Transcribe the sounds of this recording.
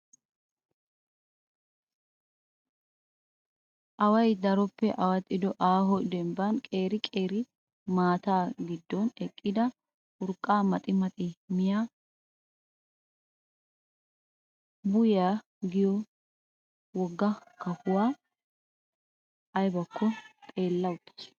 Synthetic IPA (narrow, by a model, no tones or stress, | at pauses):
ʔɐwɐjd̪ɐɾɔpːɛʔɐwɐt̪ʼːɪd̪ɔʔaːɦɔd̪ɛmbɐnkʼe̞ːɾɪkʼe̞ːɾɪ | maːt̪aːɡɪd̪ːɔnɛkʼːɪd̪ɐ | ʔʊɾkʼːaːmɐt̪ʼɪmɐt̪ʼɪmɪjaː | bʊjaː | ɡɪjɔ | wɔɡːɐkɐhʊwaː | ʔɐjbɐkːɔt̪ʼe̞ːlːɐwʊt̪ːɪ̥s